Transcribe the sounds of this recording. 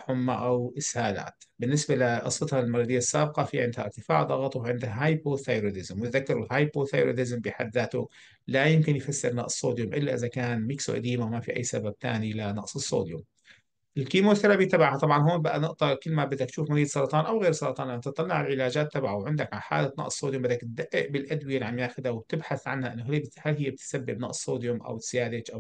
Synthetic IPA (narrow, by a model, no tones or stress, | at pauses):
ħʊmːaʔawʔɪshaːla̰ːt̪bɪnːɪsbalɪʔɑ̰sˤːɨt̪halmɑɾˤɑːd̪ɪjːasːaːb̚qɑfiʕɪnd̪haʔɪ̰ɾt̪ɪfa̰ːʕd̪ˤɑɣɑt̪ˤwʕɪnd̪aɦaːjpoːd̪θajɾod̪ɪzmwnɪt̪ðakːɑɾɪhaːjpoːθajɾo̰d̪ɪzmbɪħad̪ːaːt̪ʊ | lajɪmkɪnjfasːɪɾnɑʔsˤːoːd̪jʊmʔɪlːaʔɪðakaːnmiːksṵʔa̰d̪iːmawmafḭʔa̰jːsabab̚t̪a̰ːnilanɑ̰ʔsˤɨsːo̰ːd̪jʊm | ʔɪlkimoːθaɾˤabit̪abaʕhat̪ˤɑbʕɑnɦoːnbaʔanɪʔt̪ˤɑkɪlːmabɪd̪ːak̚t̪ʃuːfmʊziːd̪sˤɑɾˤɑt̪ˤɑːnʔawɣeːɾsˤɑɾˤɑt̪ˤɑːnʔanːat̪ɨt̪ˤːɑlːɑʕalʕɪlaːd͡ʒaːt̪ːabʕawʕɪnd̪akʕaħa̰ːlat̪nɑ̰ʔssːoːd̪jʊmbɪd̪ːakt̪̚d̪aʔːɪ̰ʔbɪlʔad̪wɪjalʕamjaːxɪd̪awb̚t̪ɪbħaθʕanhaʔɪnːaɦbhalɦɪjːb̚t̪sabːɪbnɑ̰ʔssːoːd̪jʊmʔa̰wsjaːd̪ɪd͡ʒʔaw